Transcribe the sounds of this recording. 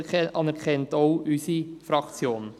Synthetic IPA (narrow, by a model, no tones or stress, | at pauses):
ʔɑnɛɾkʰɛntoʊysifɾɑkt͡sjoːn